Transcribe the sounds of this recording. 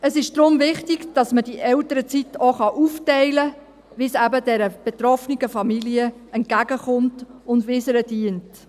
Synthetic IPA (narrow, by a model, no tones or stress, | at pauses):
əsɪʃd̪̥ɾʊmvɪχtɪɡd̥ɑsməd̥iʔɛltəɾət͡sitoχɑʔuftɛɪlə | ʋɪsæbədɛɾəb̥etɾɔfniɡ̥əfɑmiliəɛnt̚ɡ̥æɡ̥əχʊmtʊndʋɪsəɾədiənt